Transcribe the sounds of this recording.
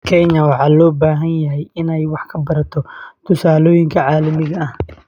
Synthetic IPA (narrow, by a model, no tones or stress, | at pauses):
kʰɛɲɐwɑħɑːlɔːbaːɦɐnjɐɦɛjɪnɛjwɑħkʰɐbɐɾɐt̪ʰɔt̪ʰʊsaːlɔːjɪŋkʰɐʕɑːlɐmɪɣɐɐh